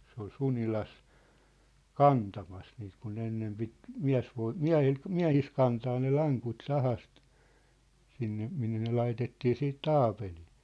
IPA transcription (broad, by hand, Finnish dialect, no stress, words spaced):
se ol sunilɑs kɑntɑmɑs niːt kun ne enːem pit miæ̝sʋoi miæ̝hil miæ̝his kɑntɑː ne lɑŋkut sɑhɑst sinːe minːe ne lɑitetːiː siːt tɑːpeliː